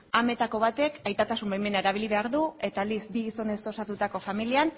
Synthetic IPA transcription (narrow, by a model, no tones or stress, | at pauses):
ame̞t̪ako̞β̞at̪e̞kʰajt̪at̪asumbejme̞naeɾaβ̞iliβ̞e̞aɾðue̞t̪ald̪isbiɣiso̞ne̞so̞sat̪ut̪ako̞familian